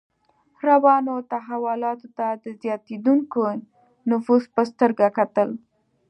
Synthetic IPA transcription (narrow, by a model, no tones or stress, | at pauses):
ɾawɑnot̪aɦawʊlɑt̪ot̪ad̪əzjɑt̪ed̪uŋko | nʊfuzpəst̪əɾɡakat̪əl